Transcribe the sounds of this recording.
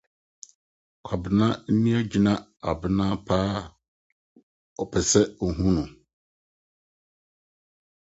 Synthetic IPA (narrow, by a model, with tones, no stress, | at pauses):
kʰa˨bɪ˨nã˦m̩˦nĩ˦a˦d͡ʑi˨nã˦a˨bɪ˨nã˦pʰaː˦ | ɔ˨pʰɛ˨sɛ˦˨ɦũ˦nʊ̃˨